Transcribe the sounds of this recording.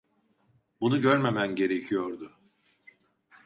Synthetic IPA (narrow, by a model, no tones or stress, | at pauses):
bunuɟøɾme̞mænɟe̞ɾe̞cʰijoɾd̪ʊ